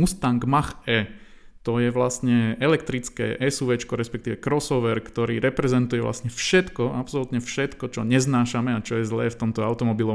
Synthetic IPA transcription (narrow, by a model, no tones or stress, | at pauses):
ust̪aŋɡmaxɛ | t̪ɔjɛʋlast̪ɲɛɛlɛkt̪ɾit͡skɛ̰ːʔɛsuʋɛt͡ʃkɔɾɛspɛk̚t̪iːʋɛkɾɔsɔʋɛɾkt̪ɔɾḭːɾɛpɾɛzɛnt̪ujɛʋla̰sɲɛfʃɛt̪kɔʔapsɔlut̪ɲɛfʃɛt̪kɔt͡ʃɔ̰ɲɛznaːʃamɛat͡ʃɔjɛzlɛːft̪ɔmt̪ɔaʊt̪ɔmɔbilɔ